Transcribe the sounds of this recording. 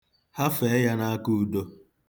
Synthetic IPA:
ha˦fe˨˦ja˦na˦a˦ku˦u˦do˦

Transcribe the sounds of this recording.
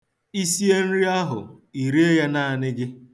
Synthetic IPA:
i˦si˦e˦n̩˦ɾi˦a˦ɦʊ̰˨ | i˨ɾi˦e˦ja˦na˦˨a˨nɪ˦ɡɪ˦

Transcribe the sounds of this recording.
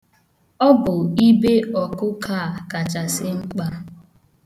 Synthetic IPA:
ɔ˦bʊ˨i˦be˦ɔ˨kʊ˦kʰa˦˨ka˨t͡ʃa˨sɪ˦ŋ͡m̩˦k͡pa˦

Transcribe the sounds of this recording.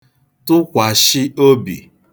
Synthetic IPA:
tʊ˦kʷa˨ʃɪ˦o˦bḭ˨

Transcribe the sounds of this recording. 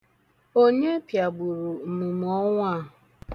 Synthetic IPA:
o˦ɲe˦pja˨ɡ͡bu˨ɾu˨mu˨m˨ɔ˦ŋʷa˦ɦʊ˨

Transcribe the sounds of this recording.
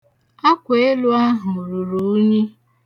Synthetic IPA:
a˦kʷe˨e˦lʊ˦a˦ɦʊ˨ɾu˨ɾu˨ʊ˦ɲe˦

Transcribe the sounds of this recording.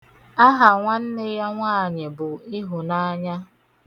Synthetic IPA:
a˦ɦa˨ŋʷa˦n̩˦nɪ˦ja˦ŋʷaː˦˨ɲɪ˨bʊ˨i˦ɦʊ˨na˦ɲa˦

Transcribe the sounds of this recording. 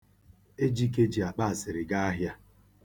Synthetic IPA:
e˦d͡ʒi˦ke˦d͡ʒi˨a˨k͡pa˦a˨sɪ˨ɾɪ˨ɡa˦a˦ɦja˦

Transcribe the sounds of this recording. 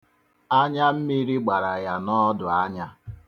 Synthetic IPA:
a˦ɲa˦m̩˦mi˦ɾi˦ɡ͡ba˨ɾa˨ja˨nɔ˦dʊ˨a˦ɲa˦

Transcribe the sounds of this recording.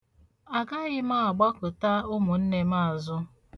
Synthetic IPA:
a˨ɡa˦ɣɪ˦ma˦˨a˨ɡ͡ba˦kʊ˨ta˦ʊ˦mʊ˨n̩˦ne˦ma˦˨a˨zʊ˦

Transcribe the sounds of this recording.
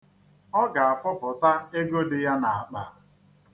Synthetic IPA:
ɔ˦ɡa˨a˨fʊ˦pʊ˨ta˦e˦ɡo˦dɪ˨ja˦na˨a˨k͡pa˨

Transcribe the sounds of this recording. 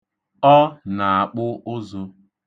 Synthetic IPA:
ɔ˦na˨a˨k͡pʊ˦ʔʊ˦zʊ˦

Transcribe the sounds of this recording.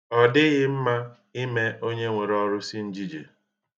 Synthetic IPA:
ɔ˨dɪ˦ɣɪ˦m̩˦ma˦ | i˦me˦o˦ɲe˦ŋʷe˨ɾɔ˦ɾʊ˦si˦n̩˦d͡ʒi˦d͡ʒḛ˨

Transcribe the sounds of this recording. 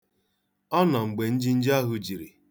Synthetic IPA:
ɔ˦nɔ˨ŋ͡m̩˨ɡ͡be˨n̩˦d͡ʒi˦n̩˦d͡ʒa˦ɦʊ˦d͡ʒi˨ɾi˨

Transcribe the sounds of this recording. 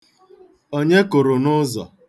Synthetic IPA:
o˦ɲe˦kʊ˨ɾʊ˨nʊ˦zɔ̰˨

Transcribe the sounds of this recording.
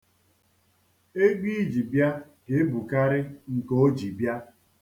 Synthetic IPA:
e˦ɡ͡bi˦d͡ʒi˨bja˦ | ke˨˦bu˨ka˦ɾɪ˦ŋ̩˨ko˦d͡ʒi˨bja˦

